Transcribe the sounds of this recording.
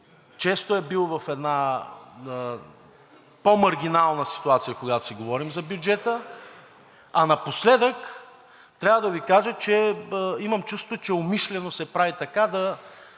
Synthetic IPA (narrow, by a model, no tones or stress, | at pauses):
t͡ʃɛst̪oɛbilˠvɐfɛd̪na | pomɐɾɡʲinalˠnəsi̥t̪uat̪sijəkoɡat̪o̥sɛɡovɔɾimzɐbjud͡ʒɛt̪ə | ɐnɐposlɛd̪ək | t̪ɾʲavəd̪ɐvikaʒət͡ʃɛimɐmt͡ʃust̪ot͡ʃɛomiʃlɛnosɛpɾavit̪ɐkad̪ɐ